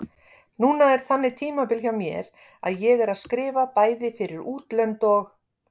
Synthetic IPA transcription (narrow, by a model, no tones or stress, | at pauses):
nuːnaɛɾ̥θanːɪt̪ʰiːmapɪlçawmjɛ̰ɾ | a̰ðjɛɣɛɾaðskɾɪːvapaːjðɪfɪɾɪɾuːt̪lœnt̪ɔx